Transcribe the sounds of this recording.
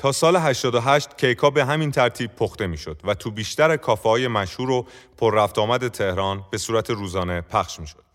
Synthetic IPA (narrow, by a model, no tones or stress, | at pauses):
t̪ʰɒːsɒːle̞ɦæʃt̪ɒːd̪oɦæʃt̪cʰe̞jkʰɒːbe̞ɦæmint̪ʰæɾt̪ʰiːb̥̚pʰoxt̪e̞miːʃo̞d̪̥væt̪ʰuːbiːʃt̪æɾekʰɒːfehɒːje̞mæʃhuːɾo̞pʰoɾːæft̪ɒːmæd̪e̞t̪ʰe̞hɾɒːnbe̞suːɾæt̪ʰeɾuːzɒːne̞pʰæχʃmiːʃo̞d̪̥